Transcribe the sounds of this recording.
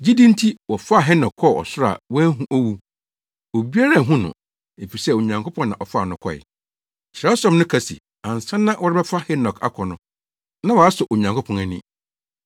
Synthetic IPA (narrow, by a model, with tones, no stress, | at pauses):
d͡ʑi˦dĩ˦n˦tʰi˦wɔ˨fa˦˨ɦɛ˦nɔ˨kʰɔ˦˨ɔ̰˨sʊ˦ɾa̰˨wɛ̃˦ɦũ˦ʔo˦wu˦ | o˨bi˦a˦ɾa˦˨ɦũ˦nʊ̰̃˨ | e˨fi˨sɛ˦o˨ɲã˨ŋkʰʊ˦pʰɔ̃˦nːã˨ʔɔ˨fa˦˨nʊ̃˨kʰɔ̰˦ɪ̰˨ | ɕɪ˨ɾa˦sɔ̃˨mnʊ̃˦kʰa˨sḭ˨ | ã˨n˨sã˦nːã˦wɔ˦ɾɪ˦bɛ˦fa˦hɛ˦nɔ˨kʰa̰˦kʰɔ˨nʊ̃˨ | nã˦wɔ˨a˦sʊ˨ʔo˨ɲã˨ŋkʰʊ˦pʰɔ̃˨næ˨nḭ̃˦